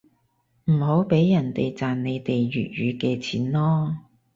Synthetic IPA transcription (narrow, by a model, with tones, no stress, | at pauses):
m̩˨˩ho˨˥wpe˨˥jjɐ˨˩nt̪e˨jt͡saː˨nne˨˧jt̪e˨jɥy̰ː˨t̚ɥyː˨˧kɛː˧t͡sʰiː˨˥nlɔː˥